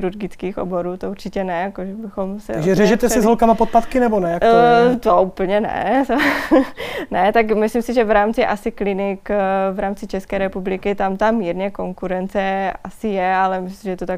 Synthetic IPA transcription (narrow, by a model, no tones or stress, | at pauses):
ɪɾuɾɡɪt͡skiːxʔo̰boɾuːt̪ouɾt͡ʃɪcɛnɛjakoʒɛbɪxomsɛʒɛrɛʒɛt̪ɛsɪzɦolkamapot̪̚pat̪kɪnɛbonɛjakt̪oupl̩ɲɛnɛ̰t̪o | nɛt̪akmɪslɪmsɪʒɛvɾaːmt͡sɪʔa̰sɪklɪnɪkvɾaːmt͡sɪt͡ʃɛskɛːɾɛpublɪkɪt̪amt̪amiːɾɲɛko̞ŋkuɾɛnt͡sɛasɪjɛalɛmɪsisɪʒɛt̪ot̪ak